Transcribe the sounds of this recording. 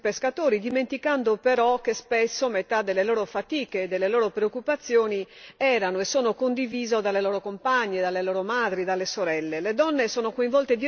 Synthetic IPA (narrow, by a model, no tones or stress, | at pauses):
peskat̪oːɾid̪iment̪ikand̪opeɾɔk̟espesːomet̪ad̪elːelɔːɾofat̪iːkeːd̪ːelːelɔːɾopɾeokːupat̪sːjoːniɛːɾanoesoːnokond̪iviːzod̪alːelɔːɾokompaɲːed̪alːelɔːɾomad̪ɾid̪alːesoɾɛlːeled̪ɔnːesɔːnokoĩɱvɔlt̪ed̪i